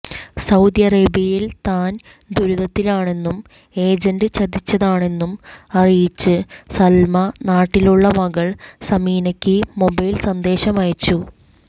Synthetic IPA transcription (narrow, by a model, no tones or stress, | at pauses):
sɐwd̪jɐreːbjɐjilt̪aːn | d̪ʱuɾuðɐt̪ːilaːɳe̞nːum | e̞ːd͡ʑɐnɖɨt͡ɕɐd̪it͡ɕːɐðaːɳe̞nːumɐrijit͡ɕːɨsɐlmɐnaːʈːiluɭːɐmɐɣɐɭsɐmiːnɐkʲːɨmo̞bɐjlsɐnd̪e̞ːɕɐmaːjt͡ɕːu